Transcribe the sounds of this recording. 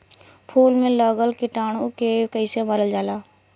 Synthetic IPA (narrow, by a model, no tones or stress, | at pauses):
pʰuːlmẽləɡəlkɪʈaːɽ̃okekəɪseməɾəld͡ʒaːlaː